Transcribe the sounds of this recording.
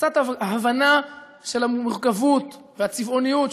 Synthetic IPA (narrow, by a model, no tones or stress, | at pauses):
kt͡sat̪ɦavana | ʃe̞lhameʁkavut̪ | veat͡sivo̞nijut